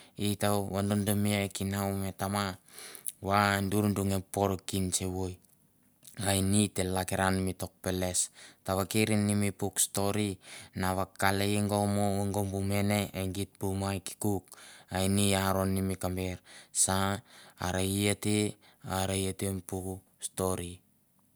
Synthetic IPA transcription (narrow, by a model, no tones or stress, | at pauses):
itawβandondomiakinawme̞tama | wanduɾunduŋepo̞ɾokint͡ʃeβoj | ajnite̞lakeɾanmito̞k̚pe̞le̞staβakeɾinːimipuksto̞ɾinaβakːalejŋɡomoŋɡombume̞ne̞eŋɡit̚pumajki̥kuk̚ajniaɾo̞nːimikambeɾsa̰ː | ɾajate | aɾajetempuk | sto̞ɾi